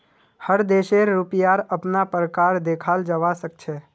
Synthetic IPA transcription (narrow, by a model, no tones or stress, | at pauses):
həɾd̪eːʃeɾːupijaɾəpnapɾəkaːɾd̪ekʰald͡ʒəʋasək̚t͡ʃʰɛː